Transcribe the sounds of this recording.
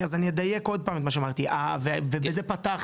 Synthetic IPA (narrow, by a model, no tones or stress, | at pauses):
azanijed̪aje̞ko̞d̪̚paːmet̪maʃeamaʁt̪iʔa̰vevebezepat̪aχ